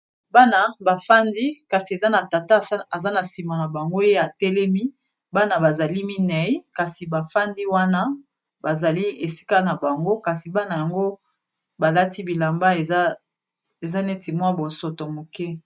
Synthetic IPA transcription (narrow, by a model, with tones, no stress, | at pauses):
ba˦na˦ba˨fa˦ndi˦ka˨si˨e˨za˦na˨ta˨ta˦˨˦a˨za˦na˨si˨ma˨na˨ba˨ŋɡo˦je˦a˨tɛ˦lɛ˦mi˦ | ba˦na˦ba˨za˨li˦mi˦nɛ˨˦i˦ka˨si˨ba˨fa˦ndi˦wa˦na˦ | ba˨za˨li˦e˨si̥˦ka˦na˨ba˨ŋɡo˦ka˨si˨ba˦na˨ja˨ŋɡo˦ | ba˨la˦ti˦bi˨la˨mba˦e˨a˦ | e˨za˦ne˦ti˨mwa˦bo˨so˨to˨mo˨kɛ˦